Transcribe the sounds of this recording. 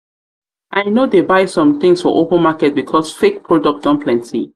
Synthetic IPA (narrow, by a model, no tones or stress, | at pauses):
ʔaɪnodebaɪsɔ̃mt̪ĩŋsfɔ̰ʔopə̃nmakɛt̚bikʰɔsfek̚pʰɹɔdɔk̚d̥ɔ̃npʰlɛ̃ntʰḭ